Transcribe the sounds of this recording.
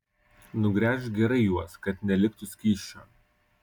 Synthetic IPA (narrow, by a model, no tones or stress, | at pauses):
nʊɡɾʲæːʃɡʲɛɾɐɪjuɔskɐt̪nʲɛlʲɪk̚t̪ʊsʲkʲiːʃʲt͡ʃʲo̰ː